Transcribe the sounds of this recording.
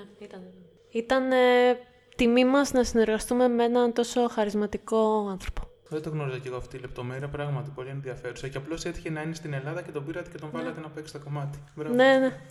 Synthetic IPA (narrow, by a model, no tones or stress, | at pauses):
it̪ɐn | it̪ɐn | t̪imimɐznɐsine̞ɾɣɐst̪ume̞meenɐnt̪o̞so̞xɐɾizmɐt̪iko̞ɐnθɾo̞po̞̥ | ðet̪oɣno̞ɾizoceɣoɐft̪iile̞p̚t̪o̞me̞ɾiɐpɾɐɣmɐt̪ipo̞lienðiɐfe̞ɾusɐceɐplo̞set̪i̥çenɐinest̪ine̞lɐðɐce̞t̪obiɾɐt̪e̥ce̞t̪o̞ɱvɐlɐt̪enɐpoekst̪oko̞mɐt̪i̥vene̞ne